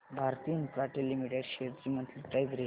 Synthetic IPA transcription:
bʱaɾt̪iːnpɾaʈelːimiʈeɖɕeɾd͡ʑimənt̪liʈɾajbɾi

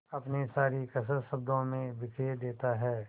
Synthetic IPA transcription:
ɐpnesaːɾikɐs̬əɾʃɐb̚d̪õmẽbɪkʰed̪eːt̪aɦɛː

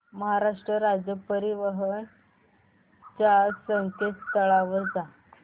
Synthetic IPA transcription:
məɦaɾaʂʈɾəɾad͡ʑjəpəɾiʋəɦən | t͡ɕasəŋket̪t̪əɭaʋəd͡za

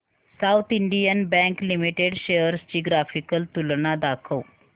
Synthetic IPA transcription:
saut̪ʰiɳɖijənbɛ̃ŋklimiʈeɖɕeəɾst͡ɕiːɡɾafikəlt̪ulɳad̪akʰəw

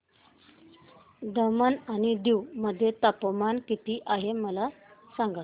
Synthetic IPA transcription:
d̪əmənaɽ̃id̪iwməd̪ʱːjet̪apəmankit̪iːʔaɦeməla | saŋɡa

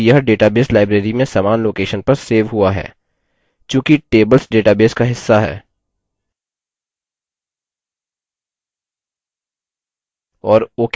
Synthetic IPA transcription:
jəɦɖeːʈabeːslaːɪbɾeːɾimẽsaːmaːnloːkeːʃənpɐɾseːʋɦuaɦɛ̰ː | t͡ʃjõːkiʈeːbəlsɖeːʈaːbeːskaɦɪsːaɦɛ̰ː | ɔːɾoːk

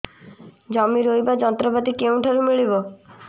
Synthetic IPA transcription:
d͡ʒɔmiɾojbad͡ʒɔnt̪ɾɔbat̪ikeũʈʰaɾumiɭibɔ

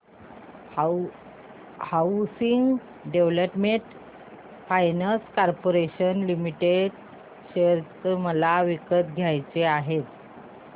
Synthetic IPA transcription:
hawsiŋɡ | ɖeʋləpmeɳʈ | fajnaskaɾpoɾeɕənlimiʈeɖ | ɕeɾt̪əməlaʋikət̪ɡʱjajt͡seaɦet̪

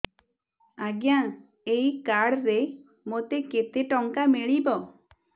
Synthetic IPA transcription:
aɡja | ejkaɽɾe | mot̪eket̪eʈɔŋkameɭibɔ

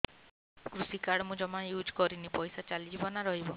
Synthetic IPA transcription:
kɾusikaɽmũd͡ʒɔmajud͡ʒkɔɾinipɔjsat͡ʃalid͡ʒibɔnaɾɔɦibɔ

